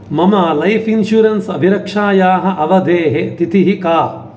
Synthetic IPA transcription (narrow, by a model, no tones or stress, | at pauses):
mɐmaːlɐjfinʃuːɾɐnsɐbʱiɾɐkʂaːjaːɦɐ̆ʔɐʋɐd̪eːɦet̪it̪iɦikaː